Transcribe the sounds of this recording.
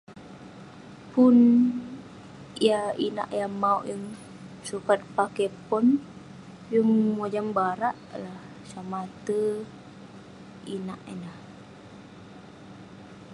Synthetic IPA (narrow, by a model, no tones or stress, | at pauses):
pun | ijaina̰ʔjamaṵʔjəŋ | sukat̪̚pakɛpɔn | d͡ʒəŋmod͡ʒambaɾaʔlah | samat̪ə | inaʔenah